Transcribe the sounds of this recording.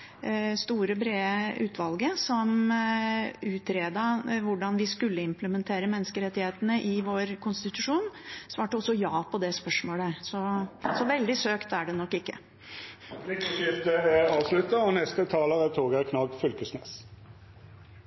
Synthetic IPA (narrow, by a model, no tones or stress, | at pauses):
st̪uːɾəbɾeːʉːt̪ʰʋɑlɡəsɔm | ʉːt̪ʰɾeːd̪ɑʋʊɖɑnʋɪskʉlːəɪmpləmɛnt̪ʰeːɾəmɛnːəskəɾɛt̪ːɪheːt̪ənəʔɪʋoːɾkʰʊnst̪ɪt̪ʉʂuːnsʋɑːʈəɔsːɔjɑːpʰɔd̪ɛspœʂmoːləsɔsɔʋɛld̪ɪsøːkt̪æɖɛnɔkːɪkːə̰ | lɪkəʃɪft̪əɛɑːʋslʉt̪ːəɔnɛst̪ət̪ʰɑːləʁət̪ʰoːɡəkʰnɑɡfʏlkəsnḛːs